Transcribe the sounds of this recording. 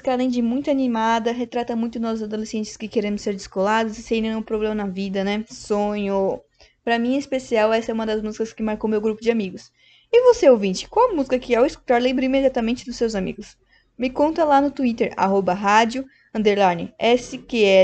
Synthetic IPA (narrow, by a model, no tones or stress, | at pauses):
kalẽj̃d͡ʒɪmũj̃t̪ʊanimad̪ɐɦet̪ɾat̪ɐmũj̃t̪ʊnɔzʊzad̪olesẽnt͡ʃɪ̥skɪkeɾẽmʊseɾd͡ʒ̪ɪskolad̪ʊsɪseɐ̃ĩnẽũpɾoblẽmɐnɐvid̪ɐnɛsõɲʊ | pɾɐmĩɐispesiawɛsɐɛumɐd̪ɐzmuzikɐskɪmaɾkowmewɡɾupʊd͡ʒɪamiɡʊs | ɪvoseowvĩnt͡ʃɪ̥kãwɐmuzikɐkɪawɪsku̥t̪aɾlẽbɾʊimed͡ʒiat̪ɐmẽnt͡ʃɪd̪ʊsːewzamḭɡʊs | mɪkõnt̪ɐlanʊt̪uit̪eɾa̰ɦobɐɦad͡ʒʊ | ɐ̃nd̪eɾlaɾnɪ̰ɛsɪkeɛ